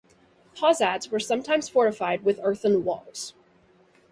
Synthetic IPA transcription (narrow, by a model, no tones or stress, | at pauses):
hʰɑzætswə˞sʌ̃mtʰãɪ̃mz̥fɔɹɨfaɪd̚wɨðɜ˞θə̃nwɔ̰lˠz̥